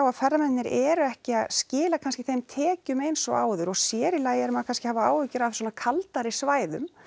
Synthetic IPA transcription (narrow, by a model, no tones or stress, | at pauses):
awaðfɛrːamɛnːɪɾɛɾʏɛhcɪaðscɪːlakʰanscɪθejmt̪ʰɛːcʏmejnsɔ̰ɣa̰ːwðʏɾɔɣsjɛːɾɪlaːjɛɾʏmaðkʰanscɪhaːvaa̰ːwvɪcʏɾafswɔːnakʰalt̪aɾɪsvaːjðʏm